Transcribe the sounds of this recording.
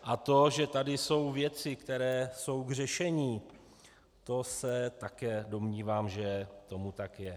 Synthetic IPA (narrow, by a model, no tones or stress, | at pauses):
ʔat̪o̞ʒɛt̪adɪso̞wvjɛt͡sɪkt̪ɛɾɛːso̞wɡr̝ɛʃɛɲiː | t̪o̞sɛt̪akɛːdo̞mɲiːvaːmʒɛt̪o̞mut̪akjɛ